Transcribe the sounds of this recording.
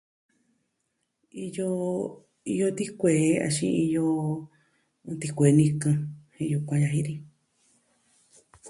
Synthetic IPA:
i˧jo˧ | i˧jo˧t̪i˦kʷeː˨˦a̰˧ʃḭ̃˧i˧jo˧ | t̪i˧kʷe˨˦˧nĩ˧kã˧hĩ˧ju˧kʷã˧ja˧ɦĩ˧˦ɾi˧

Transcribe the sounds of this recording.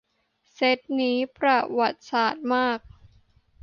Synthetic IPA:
se˦˥t̪̚niː˦˥pɾa˧wa˨˩t̪̚saː˨˩t̪̚maː˥˩k̚

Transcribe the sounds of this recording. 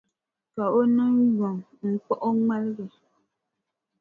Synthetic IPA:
ka˨o˦nɨ˦jɔ˨ŋ | ŋ̩˨k͡pɔ˦ʔo˦ŋa˦lɣɛ˨

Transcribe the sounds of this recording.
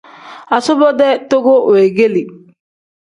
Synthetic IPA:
a˨sɔ˦bɔ˦d̪ɛ˦to˦ɡo˦we˨ɡe˦li˨

